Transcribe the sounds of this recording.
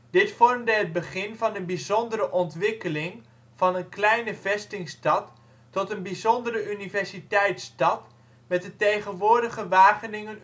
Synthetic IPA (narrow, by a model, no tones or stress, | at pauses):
d̥ɪtfɔrmdəɦəd̚bəχɪnvɑnənbizɔndəɾəʔɔntʋɪkəlɪŋ | v̥ɑnənklɛjnəvɛstɪŋstɑtː | ɔtənbizɔndəɾəʔynivɛrsitɛjtstɑt | mɛt̚dətejχənʋʊːɹdəχəʋaːχənɪŋən